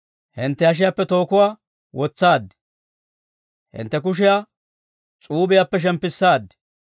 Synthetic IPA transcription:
hɪnt̪ːɛɐʃ̬ɪjapːɛt̪o̞ːkʊwaː | wʔɔt͡sːaːd̪ːɛ̥ | hɪ̰nt̪ːɛk̬ʊʃ̬ɪja | t͡sʼuːbɪjapːɛʃ̬ɛmpːɪsːaːd̪ːɛ̥

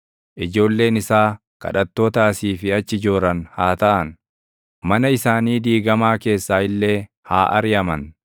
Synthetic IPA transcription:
ʔɪd͡ʒo̞ːlːe̞ːnɪsaː | kɐ̰ᶑɐt̪ːoːt̪aːsiːfɪɐt͡ʃːɪd͡ʒo̞ːɾɐnhaːt̪ɐʔɐn | mɐnɐɪsaːniːd̪iːɡɐmaːke̞ːsːaːɪlːe̞ː | haːʔɐ̰ɾɪjɐmɐn

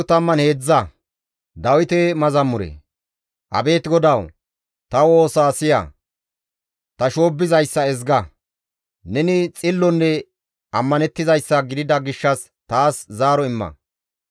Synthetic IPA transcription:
ʊt̪ɐmːɐnhe̞ːd͡zːɐ | d̪ɐwɪt̪ɛmɐzɐmːʊɾḛ | ʔɐ̰be̞ːt̪ɪɡɔd̪ɐw | t̪ɐwo̞ːsaːsɪjɐ̰ | t̪ɐʃo̞ːbːɪzɐjsːɐɛzɡɐ | nɛnɪt͡sʼɪlːɔnːɛ | ɐmːɐnɛt̪ːɪzɐjsːɐɡɪd̪ɪd̪ɐɡɪʃːɐs | t̪aːszaːɾɔɪmːɐ̰

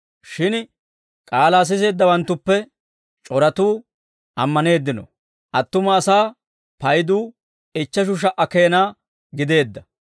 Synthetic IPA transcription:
ʃɪn | kʼaːlaːs̬ɪs̬e̞ːd̪ːɐwɐnt̪ːʊpːɛ | t͡ʃʼɔɾɐt̪uː | ʔɐmːɐne̞ːd̪ːɪnɔ̰ | ʔɐt̪ːʊmɐːsaː | pɐjd̪uː | ɪt͡ʃːɐʃ̬ʊʃ̬ɐʔɐkeːnaː | ɡɪd̪e̞ːd̪ːɐ

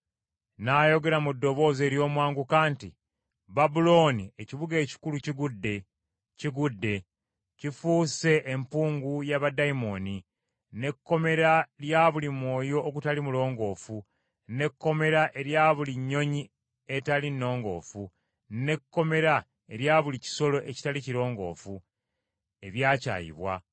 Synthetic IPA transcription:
naːjo̞ɡe̞ɾamudːo̞βo̞ːze̞ːɾjo̞ːmwaːŋɡukaːnti | babulo̞ːnieciβuɡe̞ːci̥kuluciɡudːe | ciɡudːe̞ | cifuːse̞ʔːmpuːŋɡujaβadaimo̞ni | ne̞kːo̞me̞ɾaljaːβulimwo̞ːjo̞ʔːkutalimulo̞ːŋɡo̞ːfu | ne̞kːo̞me̞ɾaʔe̞ɾjaːβuliɲːo̞ɲi | e̞talinːo̞ːŋɡo̞̰ːfu | ne̞kːo̞me̞ɾa | e̞ɾjaːβulici̥so̞lo̞ʔeci̥taliciɾo̞ːŋɡo̞̰ːfu | e̞βjaːca̰ːjḭβwa̰

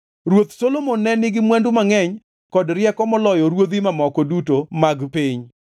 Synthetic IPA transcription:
ɾwot̪solomonːɛnɪɡɪmwɛndʊmaŋɛɲ | kɔdɾɪɛkɔmɔlɔjɔɾwod̪imamɔkɔdutomaɡpiɲ

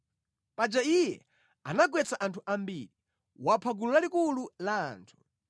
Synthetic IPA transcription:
pad͡ʒaijɛ̰ | anaɡwɛt͡saʔantʰuʔambiɾi | wapʰaɡululalikulula̰ːntʰu̥

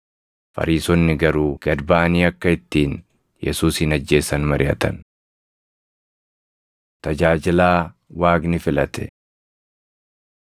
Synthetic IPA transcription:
fɐ̰ɾiːsɔnːɪɡɐɾuːɡ̥ɐd̪baːniːɐkːɐɪt̪ːiːn | jʔɛ̰suːshɪnɐd͡ʒːe̞ːsɐnmɐɾɪʔɐt̪ɐn | t̪ɐd͡ʒaːd͡ʒɪlaːwaːɡnɪfɪlɐt̪ɛ̰

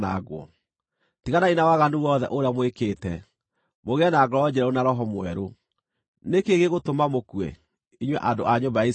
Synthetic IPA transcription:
na̰ɡwɔ̰ | tiɣanainawaɣanuwɔðɛ̰ʔoɾeamwekeːtɛ | moɣeɛnaɡɔɾɔɔd͡ʑɛɾɛonaɾɔɦɔmwɛɾo | nekeɣeɣotomamokwɛ̰ | iɲwɛʔadoʔaɲombaais

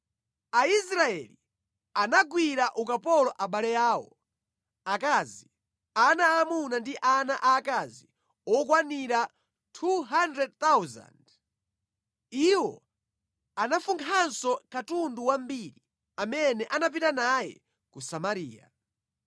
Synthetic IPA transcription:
aisɾaɛli | anaɡwiɾaʔukapɔlɔʔaɓalɛjaːwɔ̰ | akaːzi | anaːmunandiʔanaʔaːkazi | ɔkwaniɾa | tʰuɦandɾɛd̚t̪awza̰nd | iwɔ̰ | anafuŋkʰansɔkatunduwambiɾi | amɛnɛʔanap̬itanajɛ̰ | kusamaɾḭːa̰

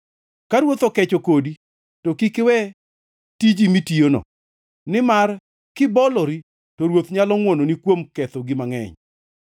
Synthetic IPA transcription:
kaɾwot̪ɔkɛt͡ʃokodi | tɔkikɪwɛ | tid͡ʒimitionɔ̰ | nɪmar | kɪbɔlɔɾi | toɾwot̪ɲalɔŋwononikwomkɛt̪ɔɡɪmaŋɛ̰ɲ

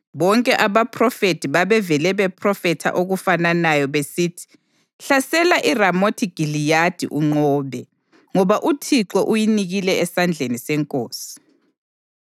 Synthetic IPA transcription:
βɔŋkʼɛʔaβapʰrɔfetʰiβaβɛvɛlɛβɛpʰrɔfɛtʰa̰ʔoɣufananajɔβesiːtʰi̥ | ɬasɛlaʔiramotʰiɡ̥ʱilijad̥ʱḭʔuŋ͡ǃɔːβɛ | ŋɔβaʔutʰiǁɔʔujiniɣilɛɛsand͡ɮʱenisɛŋkʼoːsi̥

